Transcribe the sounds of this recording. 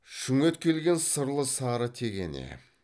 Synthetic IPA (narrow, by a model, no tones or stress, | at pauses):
ʃʏŋe̞t̪kʲʰe̞lɡʲe̞nsəɾlˠəsɑɾət̪ʰe̞ɡʲḛnḛ